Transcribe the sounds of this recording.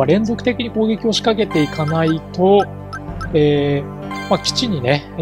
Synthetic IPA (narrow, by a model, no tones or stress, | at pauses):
aɾẽ̞nzo̞kɯ̥t̪e̞kʲiɲ̟iko̞ːɡʲe̞kʲio̞ɕi̥kake̞t̪e̞ikanait̪o̞ | eː | makʲi̥t͡ɕiɲ̟ine̞